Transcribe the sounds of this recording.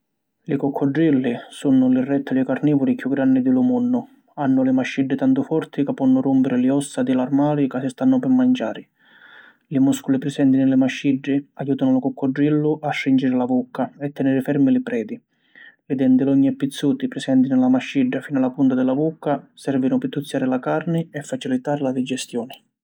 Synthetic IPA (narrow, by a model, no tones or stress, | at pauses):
lɪkɔkʰːɔɖilːisunːʊlirːɛt̪ːalɪkarniːvʊlikjuɡɾanːid̪ɪlumunːʊ | anːʊlɪmaʃːiɖːɪt̪ant̪ʊfɔrt̪ikapːɔnːʊrumpɪɾɪlɪɔsːad̪ilarmaːlikasist̪anːʊpɪmːand͡ʒa̰ːɾɪ | lɪmuskʊlipɾɪsɛnt̪inɪlɪmaʃːiɖːɪajuːt̪anʊlʊkɔkːɔɖːilːʊʔasːind͡ʒɪɾɪlabukːaɛt̪ːɛnɛːɾɪfɛɾmɪlɪpɾɛːd̪i | lɪd̪ɛnd̪ɪlɔɲːiɛpːit̪sːuːt̪ipɾɪsɛnt̪inɪlamaʃːiɖːafiːnalapunt̪̬ad̪ɪlːabukːasɛɾvinʊpit̪ːut̪sːjaːɾɪlakarnɪɛfːat͡ʃilit̪aːɾɪlad̪id͡ʒɛst̪jɔːnɪ